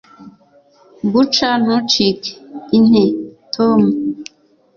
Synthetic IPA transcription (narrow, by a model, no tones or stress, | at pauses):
but͡ʃanut͡ʃikin̥etʰomu